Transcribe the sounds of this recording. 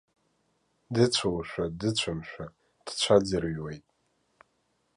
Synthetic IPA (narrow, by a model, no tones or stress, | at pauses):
dɨt͡ɕʷʰowʃʷᶣadɨt͡ɕʷʰamʃᶣa | d̥t͡ɕʷʰad͡zɨrɥwejtʼ